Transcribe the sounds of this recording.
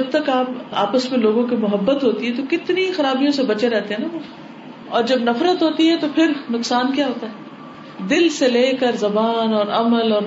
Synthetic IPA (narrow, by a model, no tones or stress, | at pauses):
ɐb̚t̪ɐkaːpa̰ːpəsmẽloːɡõkimʊɦəbːət̪ɦoːt̪iɦɛ̃t̪okɪt̪nixɐɾaːbijõsebɐt͡ʃeɾɛɦt̪eɦɛ̃naoː | ɔːɾd͡ʒɐbnɐfɾət̪ɦoːt̪iɦɛt̪opʰɪɾnʊksaːnkjaːɦoːt̪aɦɛː | d̪ɪlseleːkəɾzɐbaːnɔːɾɐməlɔːɾ